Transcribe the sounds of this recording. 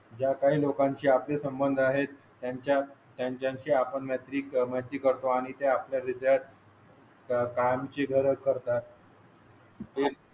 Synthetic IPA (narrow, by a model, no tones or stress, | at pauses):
d͡ʑjakaɦiːlokãɲt͡ɕiːaplesəmbənd̪ʱaɦet̪ːjaɲt͡ɕjat̪jaɲt͡ɕjãɲt͡ɕiːapəɳmat̪ɾiːkməɦt̪iːkəɾt̪oaɽ̃it̪eapljaɾid̪jat̪̚ | kamt͡ɕeɡʱəɾəkːəɾt̪at̪̚ | e